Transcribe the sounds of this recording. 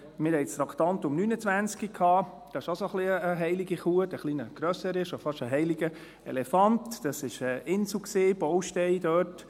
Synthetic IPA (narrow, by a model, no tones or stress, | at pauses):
mɪɾhɛɪt͡stɾɑktɑnt̪ʊmnyːnət͡svʋænt͡skikʰhɑː | d̥ɑɪʃɑsoχliəəɦɛɪliɡiχuətəχliːnəɡ̥ɾœsəɾɪʃofɑʃəɦɛɪliɡə | ɛ̰lɛfɑntd̥ɑsɪʃɛʔɪnsukseːb̥ɔwʃtɛɪd̥œːt